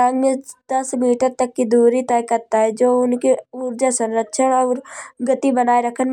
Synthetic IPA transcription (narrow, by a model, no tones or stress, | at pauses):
ãːŋɡmẽd̪̥ɐsmiːʈəɾt̪ɐkːid̪uːɾit̪ɛːkɐɾt̪aɦɛd͡ʒoːʊnkeʊɾd͡ʒasɐ̃nɾətʃʰənɔːɾɡɐt̪ibɐnaːeɾɐkʰən